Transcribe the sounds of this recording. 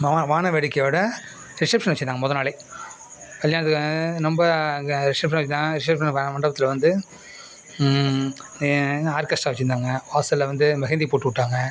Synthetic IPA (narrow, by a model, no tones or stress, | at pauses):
ʋaːʋaːnɐʋɛɽɪkːɐjoɽɐ | ɾɪʂɐpʂɐnɐt͡ʃːɪnd̪aːŋɡɐmɔðɐnaːɭɐɪ | kɐljaːnɐt̪̬ːɯkːnɔmbɐɾɪʂɐpʂɐnʋɛt͡ʃːɪnaːŋɐɾɪʂɐpʂɐnʋamɐɳɖɐbɐt̪ːɪlɐʋɐnd̪ɯ | aːɾkɐsʈaːʋɐt͡ʃːɪnd̪aːŋɡɐʋaːsɐllɐʋɐnd̪ɯmɐɣɛnd̪ipoːʈːɯʋɪʈːaːŋɡɐ